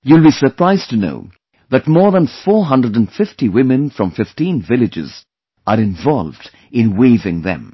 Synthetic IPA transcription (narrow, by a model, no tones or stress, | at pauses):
julˠbisə˞pʰɹ̥aɪztʰɨno̰ʊ | ðɨtmɔɹðə̃nfɔɹɦʌ̃ndɹədə̃nfɪftiwɪ̃mɨ̃nfɹʌ̃ɱfɪftĩnvɪlˠɨd͡ʒɪ̰z | ʔəɹɪ̃ɱvɑlˠvd | ɪ̃nweɪvɪ̃ŋðɨ̰̃m